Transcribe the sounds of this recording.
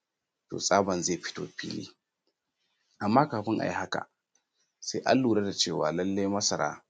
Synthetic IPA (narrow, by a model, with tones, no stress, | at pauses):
to̰ː˨sʼaː˦bɐ˨nzeː˦˨ɸɪ̥˦to̰ː˦˨ɸḭː˦lḭː˦ | ʔa˨mːaː˦kaː˨ɸɪ˦ŋʔa̰˨ji˦ha˦ka̰˨ | se˦ʔa̰˦lːuː˨ɾa˦da˨t͡ʃeː˦˨waː˨lɐ˦lːe˦jmɐ˦sɐ˨ɾa̰ː˦